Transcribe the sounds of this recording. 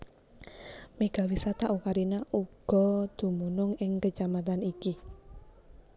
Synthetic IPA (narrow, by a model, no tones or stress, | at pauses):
meɡ̥awisat̪aʔukaɾinaʔuɡ̥ɔ̤d̪̥ṳmunʊŋɪŋkət͡ʃamat̪aniki